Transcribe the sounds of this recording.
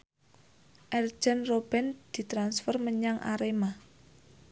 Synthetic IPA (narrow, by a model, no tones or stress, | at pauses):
ʔɛr̥d͡ʒ̥ɛnrob̥ɛ̤nd̪̥i̤t̪ɾansfɛrməɲaŋʔa̰ɾema